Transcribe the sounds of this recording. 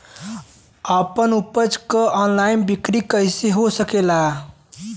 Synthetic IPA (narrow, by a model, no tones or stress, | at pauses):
əpənupəd͡ʒkəʔɔnlainbikɾikəjseɦosəkela